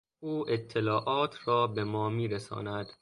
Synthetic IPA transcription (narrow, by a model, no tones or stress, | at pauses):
uːʔet̪ʰːelɒːʔɒːt̪ʰrɒːbe̞mɒːmiːɾesɒ̰ːnæd̪̥